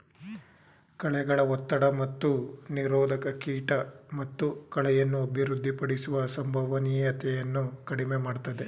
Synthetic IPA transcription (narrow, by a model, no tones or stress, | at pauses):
kɐɭɛɡɐɭɐɔt̪ːɐɽɐmɐt̪ːuniɾɔːd̪ʱɐkɐkiːʈɐmɐt̪ːukɐɭɛjɐnːuɐbʱiɾud̪ʱːipɐɽisuʋɐsɐmbʱɐʋɐnijɐt̪ɛjɐnːukɐɽimemaːɽt̪ɐd̪e̞